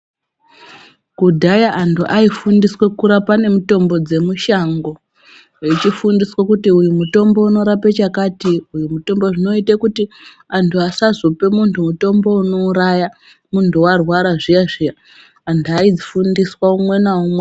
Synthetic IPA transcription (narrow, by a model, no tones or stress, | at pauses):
kudʱajaʔantuʔaifundiswekuɾapane̞muto̞mbo̞d͡ze̞muʃaŋɡo̞ | it͡ʃifundiswakutiujumuto̞mbo̞uno̞ɾapet͡ʃakaːtiujumuto̞mbo̞ʐino̞itakuti | antʰuasazope̞muntʰumuto̞mbo̞uno̞uɾaja | muntʰuwarwaɾaʐijaʐijaː | ntʰuaid͡zifundiswaumwe̞naumwe